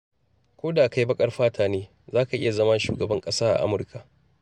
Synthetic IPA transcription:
kʷoː˦daː˨ka˦jbɐ˦kʼɐ˦rɸaː˦tʰaː˨neː˦ | zaː˦ka˨ʔɪ̰˦ja˨zɐ˦mɐ˦nʃṵː˨ɡɐ˨bɐ˦ŋkʼɐ˦saː˦ʔa̰˨ʔa̰˦mʊ˨rkʰa˨ʔ

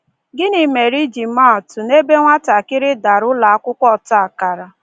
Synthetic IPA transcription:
ɡɪ˦nɪ˨me˨ɾi˦d͡ʒi˨˦ma˦ɔ˨tʊ˨ne˦be˦ŋʷa˦ta˨kɪ˦ɾɪ˦da˨ɾʊ˦la˨a˦kʷʊ˦kʷɔ˦˨ta˦˨a˨ka˨ɾa˨

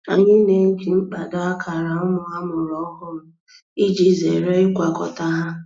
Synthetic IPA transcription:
a˨ɲɪ˦ne˨ŋ̩˦ki˨ŋ͡m̩˦k͡pa˨da˦a˦kʰa˨ɾa˨ʊ˦mʊ˨a˦mʊ˨ɾɔ˦kʊ˦ɾʊ˨ | i˦d͡ʒi˦ze˨ɾe˦ɪ˦kʷa˨kɔ̰˨ta˦ɦa˦

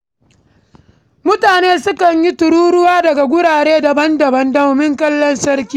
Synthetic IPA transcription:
mʊ˦taː˨neː˦sʊ˦kɐ˨ɲji˦tʊ˨ɽuː˦ɽʊ˦waː˦dɐ˨ɡa˨ɡʷʊ˦ɽaː˨ɽeː˦dɐ˨bɐ˦ndɐ˨bɐ˦ndɐ˦mʊ˨mɪ˦ŋkɐ˦lːɔ˦nsɐ˦ɾkʲiː˦

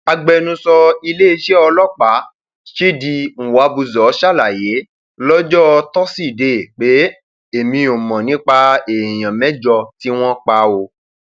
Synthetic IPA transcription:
a˧ɡ͡bɛ˧nũ˧˦sɔ˧i˧le˦i˧ʃe˦ɔ˧lɔ˦˨k͡pa˨˦ | ʃe˦di˧ŋ̩˨wa˨˦bu˧zɔ˨˦ʃa˦˨la˨je˨˦ | lɔ˦d͡ʒɔ˦˧tɔ˦si˦˨de˨k͡pe˨˦ | e˨mĩ˧˦o˨mɔ̃˨nĩ˦k͡pa˧e˨j̃ã˨mɛ̃˦d͡ʒɔ˧ti˦w̃ɔ̃˦k͡pa˧˦o˧

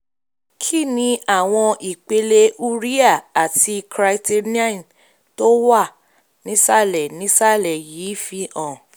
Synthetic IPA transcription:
kʰi˦˨nĩ˧a˦˨w̃ɔ̃˧i˨k͡pe˧le˧ʔu˦ɾi˦a˦˨a˨ti˧kɾa˧ti˧n˦a˦˨n | to˦wa˦˨ | nĩ˨˦sa˦˨lɛ˨nĩ˨˦sa˦˨lɛ˨jiː˨˦fi˧ʔɔ̃˨

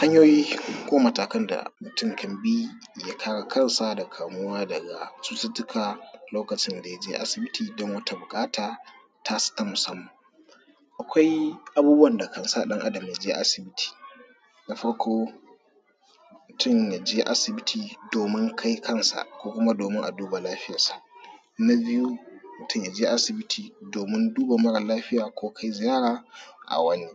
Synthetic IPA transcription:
ha˦ɲjoː˦jiː˦kʷoː˦mɐ˨taː˨kɐ˦nda̰˨mʊ˨tʊ˦ŋkʰɐ˨mbiː˦ | ja˦kʰaː˦ɽa˨kʰɐ˦nsa˦da˨kʰaː˨mʊ˦waː˦dɐ˨ɡa̰˨sʼu˦sɪ˦tːʊ˦kʰa˨loː˦kɐ˨t͡ʃɪ˦nda˨ja˦d͡ʒeː˦ʔa̰˦sɪ˨bɪ˦tʰiː˨dɔ˦ŋwɐ˦ta˦bʊ˨kʼaː˦taː˨ | tʰa˦sɪ̥˦ta˦mʊ˨sɐ˦mːɐ˨ŋ | ʔa˨kʷa˦jʔa˦buː˦bu˦wɐ˨nda˨kɐ˨nsa˦˨ɗɐ˦ŋʔa˦dɐ˨m˨ja˨d͡ʒe˦ʔa˦sɪ˨bɪ˦tʰi̥ː˨ | na˨ɸɐ˦ɽkʰoː˦ | mʊ˨tʰʊ˦nja˨d͡ʒeː˦ʔa˦sɪ˨bɪ˦tʰiː˨doː˨mɪ˦ŋkʰa˦jkɐ˦˨nsa̰˨ʔkʷoː˦kʷʊ˦ma˦doː˨mɪ˦ŋʔa̰˨duː˦ba˨laː˦ɸɪ˦ja˨sḁ˨ʔ | na˦bɪ˦ju˦mʊ˨tʰʊ˦˨ja˨d͡ʒeː˦ʔa˦sɪ˨bɪ˦tʰiː˨doː˨mɪ˦nduː˦ba˨mɐ˦ɽɐ˨laː˦ɸɪ˦jaː˨kʷoː˦kʰa˦jzɪ˨jaː˦ɽaː˨ʔa̰˨wɐ˦ni˦

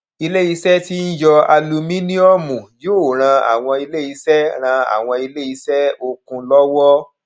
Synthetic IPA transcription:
i˧le˦i˧sɛ˦ti˦n̩˦jɔ˧a˧lu˧mĩ˦nĩ˦ɔ˦mũ˨joː˦˨ɾ̃ã˧a̰˨w̃ɔ̃˧i˧le˦i˧sɛ˦ɾ̃ã˧a̰˨w̃ɔ̃˧i˧le˦i˧˦sɛ˦o˧kũ˧lɔ˦wɔ˦

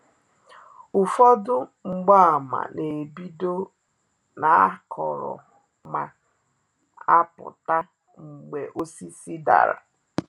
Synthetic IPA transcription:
ʊ˨fɔ˦dʊ˦ŋ͡m̩˨ɡ͡ba˦a˨ma̰˨ne˨bi˦do˦ | na˨a˦kɔ˨ɾɔ̰˨ | ma˨ | a˦pʊ̰˨ta˦ | ŋ͡m̩˨ɡ͡be˨ʔo˦si˦si˦da̰˨ɾa˨

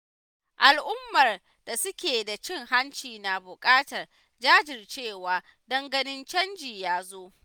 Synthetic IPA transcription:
ʔa˨lʔʊ˦mːɐ˨r | da˨sʊ˦kʲeː˨da˨t͡ʃɪ˦˨ŋɦa˦nt͡ʃiː˨na˨bʊ˨kʼaː˦tɐ˨r | d͡ʒaː˦d͡ʒɪ˨rt͡ʃeː˦˨waː˨ | dɐ˦ŋɡɐ˦nɪ˦nt͡ʃɐ˦nd͡ʒiː˨jaː˦zoː˦

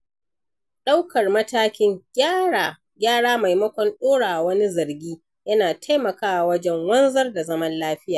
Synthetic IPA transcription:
ɗa˦wkɐ˨rmɐ˦taː˦kʲɪ˦ŋɡʲa˨ | ɡʲaː˦ɽaː˦ma˨jmɐ˦kʷɔ˨nɗoː˦ɽaː˨ʔa˨wɐ˦ni˦zɐ˨rɡʲiː˦ | jɐ˦naː˨tʰa˦jmɐ˨kaː˦wa˨wɐ˦d͡ʒɛ˦ŋwɐ˦nzɐ˦rda˨zɐ˦mɐ˦nlaː˦ɸɪ˦jaː˨

